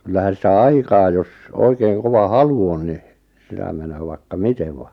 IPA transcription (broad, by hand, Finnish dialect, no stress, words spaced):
kylːæhæn̞ sitæ ɑikɑː jos oikeiŋ koʋɑ hɑlu on ni sitæ menøː ʋɑikːɑ miteʋ ʋɑ